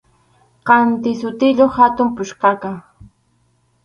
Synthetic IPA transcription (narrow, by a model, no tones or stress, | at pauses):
qɑnt̪ɪsʊt̪ɪʎohat̪ʊmpʊʃqɑka